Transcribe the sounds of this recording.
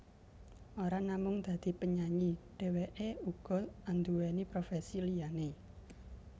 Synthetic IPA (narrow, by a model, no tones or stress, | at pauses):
ʔoɾanamʊŋd̪̥ä̤d̪̥i̤pəɲaɲiɖ̥e̤weʔeuɡ̥ɔ̤and̪uwɛnipɾofɛsilijane